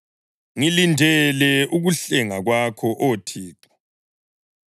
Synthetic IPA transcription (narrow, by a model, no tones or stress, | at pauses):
ŋilindʱɛlɛuɣuɬɛŋaɣwakʰɔʔotʰiːǁɔ̥